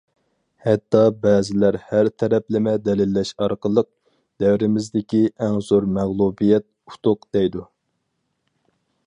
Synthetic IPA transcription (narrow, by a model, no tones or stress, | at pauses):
hɛt̪ːɑbɛːzɪlæɾhæɾt̪ʰɛɾɛplɪmɛd̪ɛlɪlːɛʃɑɾqəlˠəq̚ | d̪̥ɛwɾɪmɪzd̪ɪkʲiɛŋzoɾmæʁlˠubijɛt̪̚u̥t̪ʰʊqd̪̥ɛjd̪u